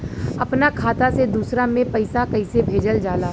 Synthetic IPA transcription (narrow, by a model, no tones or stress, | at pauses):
ɐpnakʰaːt̪ased̪uːsɾamẽpɐɪsakɐɪsebʱeːd͡ʒəld͡ʒaːlaː